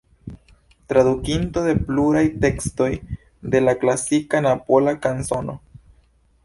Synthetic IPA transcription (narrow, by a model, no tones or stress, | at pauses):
t̪ɾadukinto̞de̞pluɾajte̞ksto̞j | de̞laklasikanapolakansono̰